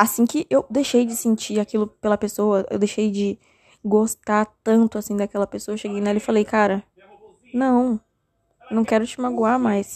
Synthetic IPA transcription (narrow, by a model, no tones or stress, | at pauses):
asĩkɪʔewd̪ejʃejd͡ʒɪsẽt͡ʃiɾakilʊpelɐpesowɐḛwd̪ejʃejd͡ʒɪ | ɡost̪aɾt̪ɐ̃nt̪ʊasĩd̪akɛlɐpesoɐʃeɡejnaɛlɐɪfalejkaɾɐ | nɐ̃w̃ | nɐ̃w̃kɛɾʊt͡ʃɪmaɡuaɾmajs